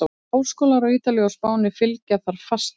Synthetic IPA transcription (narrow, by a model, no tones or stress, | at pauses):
oːwskoːlaɾawiːt̪aljawspaːwnɪfɪlcaθaɾ̥fast̪